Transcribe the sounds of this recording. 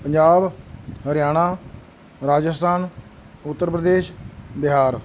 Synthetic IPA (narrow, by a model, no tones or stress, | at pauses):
pəɲd͡ʒaːbɦəɾjaːɽ̃aː | ɾaːd͡ʒəst̪ʰaːn | ʊt̪ːəɾpɾəd̪eːʃbɪɦaːɾ